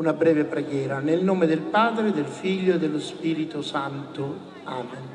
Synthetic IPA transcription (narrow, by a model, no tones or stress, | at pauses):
unabɾɛːvepɾeɡjɛːɾanelnoːmed̪elpaːd̪ɾed̪elfiʎːoed̪elːʊspiːɾit̪ʊsant̪ʊ | aːmen